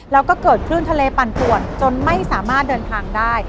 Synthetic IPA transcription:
lɛː˦˥wkɔː˥˩kɤː˨˩t̪̚kʰɾɯ˥˩nt̪ʰa˧leː˧pa˨˩npʰu˨˩ənt͡ɕo˧nma˥˩jsaː˩˦maː˥˩t̪̚dɤː˧nt̪ʰaː˧ŋdaː˥˩j

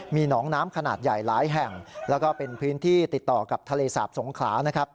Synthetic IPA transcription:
miː˧nɔː˩˦ŋnaː˦˥mkʰa˧naː˨˩t̪̚ja˨˩jlaː˨˩˦jɦɛ˨˩ŋlɛ˦˥wkɔː˥˩pe˧npʰɯː˦˥nt̪ʰiː˥˩t̪i˨˩t̪ːɔː˨˩ka˨˩p̚t̪ʰa˧leː˧sa̰ː˨˩p̚so˩˦ŋkʰlaː˩˦˥na˦˥kʰa˦˥p̚

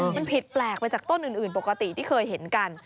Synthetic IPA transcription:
ma˧npʰi˨˩t̪̚plɛː˨˩k̚pa˧jt͡ɕaː˨˩k̚t̪o˥nʔɯː˨˩nʔɯː˨˩npo˨˩kːa˧t̪i˨˩t̪ʰiː˥˩kʰɤː˧jɦe˩˦nka˧n

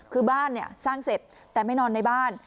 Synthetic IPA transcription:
kʰɯː˧baː˥˩nːi˥˩ɐsaː˥˩ŋse˨˩t̪̚ːɛː˨˩ma˥˩jnɔː˧nːa˧˩jbaː˥˩n

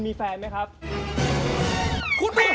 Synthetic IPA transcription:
miː˧fɛː˧nma˦˥jkʰɾa˦˥p̚ | kʰu˧npa˧˥

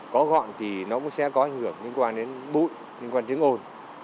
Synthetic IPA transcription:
kɔ˨˦ɣɔ̰˧˨nt̪ʰi˨˩nɔ˨˦kʊ̰˧˥ŋ͡msɛ̰˧˥kɔ˨˦ʔa˨˩jŋ̟hɨ˧˩əŋɲɨ˧˦ŋkwaː˧˩nɗe˨˦nɓṵ˧˨j | ɲɨ˧ŋkwaː˧nt͡ɕɨ˨˦ŋʔo˧n

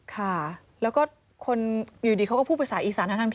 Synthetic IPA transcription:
kʰa˥˩ | lɛː˦˥wkɔː˥˩ | kʰo˧njuː˨˩diː˧kʰa˦˥kːpʰuː˥˩pːsaː˩˦ʔiː˨˧˩saː˦na˥t̪ʰa˧t̪ʰ

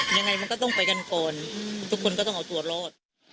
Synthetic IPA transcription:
ja˧ŋːa˧jma˧nkɔː˥˩t̪ɔ˥˩ŋpa˧jka˧nkɔː˨˧nt̪ʰu˦˥kʰːo˧nkɔː˥˩t̪ɔ˥˩ŋʔa˧wt̪u˧˩ɐɾɔː˥˩t̪̚

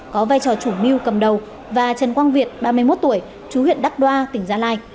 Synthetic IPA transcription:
kɔ˨˦vaː˧jt͡ɕɔ˨˩t͡ɕu˧˩mi˧wkə˨˩mɗə˨˩w | vaː˨˩t͡ɕə˨˩nkwaː˧nvi˨˩ət̚ɓaː˧mɨ˧jmo˦˥t̚t̪u˧˩əj | t͡ɕu˨˦hḭ˧˨ənɗa˦˥k̚ɗwaː˧t̪ï˧˩ŋzaː˧laː˧j

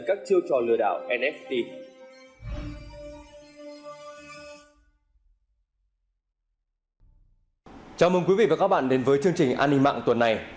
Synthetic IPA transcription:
kaː˦˥k̚t͡ɕi˧əwt͡ɕɔ˨˩lɨ̰˧˩əɗa̰ː˧˨wʔɛ˧nʔɛ˦˥ft̪i˧ | t͡ɕaː˨˩wməː˧˩ŋkwi˨˦vḭ˧˨vaː˨˩kaː˦˥k̚ɓa̰ː˧˨nɗe˨˦nvəː˨˦jt͡ɕɨ˧əŋt͡ɕï˨˩ŋ̟ʔa̰ː˧nːï˧ŋma̰ː˧˨ŋt̪wə˨˩nːa˨˩j

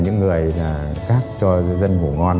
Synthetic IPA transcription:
ɲɨ̰˧˥ŋːɨ˨˩əjlaː˨˩xaː˦˥k̚t͡ɕɔ˧zə˧nvṵ˧˩ŋɔ˧n

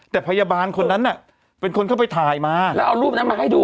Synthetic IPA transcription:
t̪ɛː˨˩pʰa˧jaː˧baː˧nkʰo˧nːa˦˥nːa˥˩ | pe˧nkʰo˧nkʰa˥˩wpa˧jt̪ʰaː˨˩jmaː˧lɛː˦˥ʔa˧wɾuː˥˩p̚na˦˥nmaː˧ɦa˥˩jduː˧

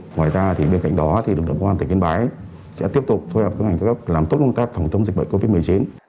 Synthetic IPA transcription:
ŋwaː˨˩jzaː˧t̪ʰi˨˩ɓe˧nka̰˧˨jŋ̟ɗɔ˨˦t̪ʰi˨˩˨ɨ˨˩ək̚ɗə˨˩kwaː˧naː˧˨˩ki˧nɓaː˨˦j | sɛ̰˧˥t̪i˦˥əp̚t̪ʊ˨˩k͡p̚fo˧jhəː˨˩p̚kːŋa˨˩ŋkːa˦a˦˥p̚laː˨˩mt̪t̚kə˧wŋ͡mt̪aː˦˥k̚fa˨˩wŋ͡mt͡ɕə˧ŋ͡mz̚ɓə̰˧˨ŋko˧vi˦˥t̚mɨ˨˩əjt͡ɕi˨˦n

